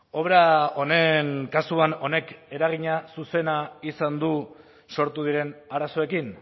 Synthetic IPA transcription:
o̞βɾao̞ne̞ŋkasuano̞ne̞ke̞ɾaɣiɲasuse̞naisand̪u | so̞ɾt̪uð̞iɾe̞naɾaso̞e̞kin

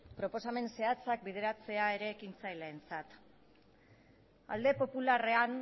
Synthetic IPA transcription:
pɾo̞po̞same̞nse̞at͡sak̚bið̞e̞ɾat͡se̞ae̞ɾe̞ːkint͡sajle̞ːnt͡sat̪ | a̰ld̪e̞po̞pulare̞an

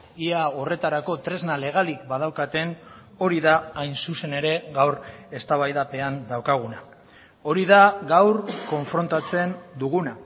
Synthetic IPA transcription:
iao̞re̞t̪aɾako̞t̪ɾe̞znale̞ɣ̞alikbað̞awkat̪e̞n | o̞ɾiðaːjnsuse̞ne̞ɾe̞ɣawɾe̞st̪aβajðape̞and̪awkaɣ̞una | o̞ɾiðaɣawɾko̞ɱfɾo̞nt̪at͡se̞nd̪uɣ̞una

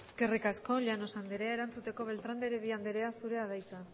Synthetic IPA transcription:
ske̞rikasko̞ʎano̞sand̪eɾe̞aeɾant͡sut̪e̞ko̞βe̞lt̪ɾand̪eɾeðiand̪eɾe̞asuɾe̞aðajt͡sa

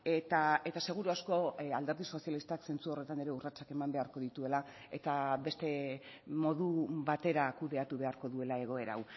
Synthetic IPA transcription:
et̪ae̞t̪ase̞ɣ̞uɾuasko̞ald̪e̞ɾðiso̞sialist̪akse̞nt͡suo̞re̞t̪ane̞ɾe̞urat͡sake̞mambe̞aɾko̞ðit̪ue̞la | e̞t̪aβe̞st̪e̞ | mo̞ðuβat̪e̞ɾakuðe̞at̪uβe̞aɾko̞ðue̞lae̞ɣ̞o̞e̞ɾa̰w

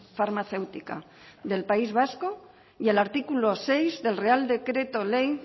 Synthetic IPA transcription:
faɾmaθe̞wt̪ika̰ | ðe̞lpaizβasko | jelaɾt̪ikulosejzðe̞lreald̪e̞kɾe̞t̪olej

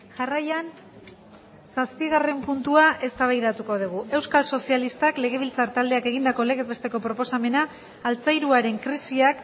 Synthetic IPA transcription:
ʝarajan | saspiɣ̞are̞mpunt̪uaʔe̞st̪aβajðat̪uko̞ð̞uɣ̞uʔe̞wskalso̞sialist̪akle̞ɣ̞e̞β̞ilt͡saɾt̪ald̪e̞ake̞ɣind̪ako̞le̞ɣezβe̞st̪e̞ko̞pɾo̞po̞same̞naː | lt͡sajɾuaɾe̞ŋkɾisiak

